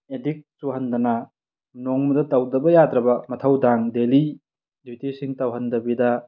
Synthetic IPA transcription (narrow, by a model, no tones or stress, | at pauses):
edik̚tuɦɐndɐnɐ | noŋmɐdɐtɐwdɐbɐjadɾɐbɐmɐtʰɐwdaŋdeli | djutisiŋtɐwɦɐndɐbidɐ